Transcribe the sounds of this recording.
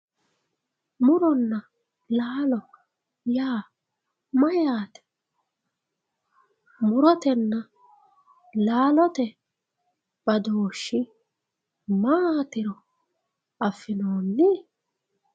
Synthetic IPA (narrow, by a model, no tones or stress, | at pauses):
mʊɾɔnːɐ | laːlɔ | jaː | mɐjaːt̪ɛ̥ | mʊɾɔt̪ɛnːɐ | laːlɔt̪ɛ | b̥ɐd̪oːʃːɪ | maːt̪ɪɾɔ | ɐfːɪnoːnːɪ